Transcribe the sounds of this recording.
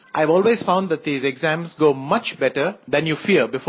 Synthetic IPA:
ʔaɪʋɔːlweːz̥fãʊ̃nɖ̪d̪æt̚d̪iːzeɡzæ̃mzɡoːmʌt͡ʃbɛʈəɾd̪ɛ̃njuːfiəɾbɪf

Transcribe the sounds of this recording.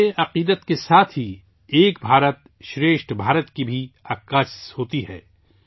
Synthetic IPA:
ʔɐqiːd̪ət̪kesaːt̪ʰɦi | eːkbʱaːɾət̪̚ | ʃɾeːʃʈbʱaːɾət̪kibʱiɐːkːasshoːt̪iɦɛ̰ː

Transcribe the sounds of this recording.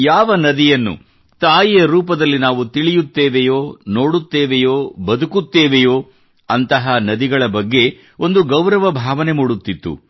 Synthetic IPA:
jaːʋɐnɐd̪ijɐnːṵ | t̪aːjijɐɾuːp̬ɐd̪ɐlːinaːʋut̪iɭijut̪ːeːʋejoːno̞ːɽut̪ːeːʋejoːbɐd̪ukut̪ːeːʋejoː | ɐnt̪ɐɦanɐd̪iɡɐɭɐbɐɡːe̞ | o̞nd̪uɡɐwɾɐʋɐbʱaːʋɐne̞muːɽut̪ːit̪ːṵ

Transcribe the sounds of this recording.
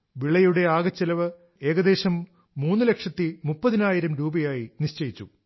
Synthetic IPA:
ʋiɭːɐjuɽe̞aːɡɐt͡ɕːɐlɐʋɨ | e̞ːɡɐd̪e̞ːɕɐmː | uːnːɨlekʂɐt̪ːimupːɐðinaːjiɾɐmɾuːbɐjaːjiniɕt͡ɕɐjit͡ɕːu

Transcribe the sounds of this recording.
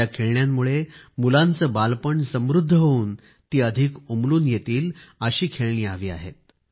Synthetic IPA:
akʰeɭɳjamːuɭemulant͡səːbalpəɳsəmɾud̪ʱːəɦouːn | t̪iːəd̪ʱikumluːnjet̪iːləɕiːkʰeɭɳiːaʋiːa̰ɦḛt̪̚

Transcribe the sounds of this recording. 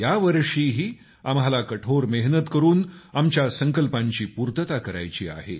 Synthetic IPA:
jaʋəɾʂiːɦiː | amɦalakəʈʰoɾmeɦnət̪kəɾuːnamt͡ɕjasəŋkəlpaɲt͡ɕiːpuɾt̪ət̪akəɾa̰jt͡ɕḭːa̰ɦḛ

